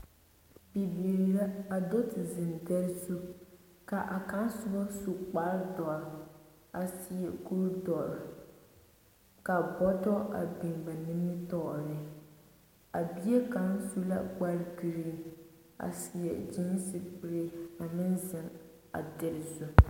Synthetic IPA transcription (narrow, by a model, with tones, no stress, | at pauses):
bi˨bi˨ɾla˦a˨do˦tɪ˨zɪ˨n˨dɛ˦ɾzu˦ | ka˨ʔa˨ka˦n˦sʊ˦bɔ˦su˦k͡pa˦ldɔ˨ɾ | a˨si˨jɛ˨ɡu˦ɾdɔ˨ɾ | ka˨bɔ˦tɔ˦ʔa̰˨bɪ˨ŋba˨nɪ˦mɪ˦tɔ˦ʔɾɪ˨ | a˨bi˦e˦ka˨n˦su˦la̰˦ɡ͡ba˦lɡi˨ɾi˦ | a̰˨si˨jɛ˨d͡ʒi˦m˦si˦k͡pi˨ɾe˦a˨mɪ˦nzɪ˨ŋ | a̰˨dɛ˦ɾzu˦